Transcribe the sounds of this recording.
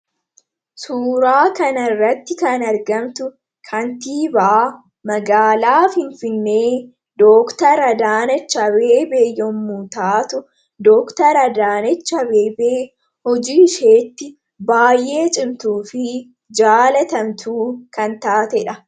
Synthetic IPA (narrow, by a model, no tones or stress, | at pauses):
suːɾaːkɐnɐrːɐt̪ːɪkɐnɐɾɡɐmt̪ʊ | kʰɐnt̪iːbaaː | mɐɡaːlaːfɪnfɪnːe̞ː | d̪oːkt̪ɐɾɐd̪aːnɐt͡ʃːɐbe̞ːbeːjɔmːuːt̪aːt̪ʊ | d̪ɔːkt̪ɐɾɐd̪aːnɐt͡ʃːɐbeːbeː | hɔd͡ʒiːʃe̞ːt̪ːɪ | baːjʔe̞ːt͡ʃʼɪmt̪uːfɪ | d͡ʒaːlɐt̪ɐmt̪ʰuːkɐnt̪aːt̪ɛᶑɐ